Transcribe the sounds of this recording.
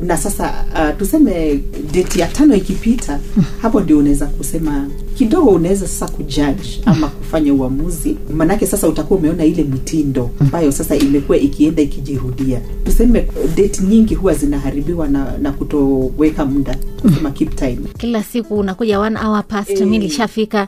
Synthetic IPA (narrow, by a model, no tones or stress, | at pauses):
nasasa̰atusɛmɛ | ɗɛtijatanɔikipitʰahapɔndiɔunaɛzakusɛma | kiɗɔɡɔunawɛzasḁsakud͡ʒad͡ʒamakufaɲauamuzimanaakɛsasautakuwaumɛɔnailɛmitʰindɔambajɔsasaʔimɛkuwaʔikiɛndaikiʄihuɗia | tusɛmɛɗɛtɲiŋɡihuwazinaɦaɾiɓiwananakutɔwɛkam̩ɗakusɛmakiptʰajmkilasikuːnakuʄawanaʔawapastumiliʃafika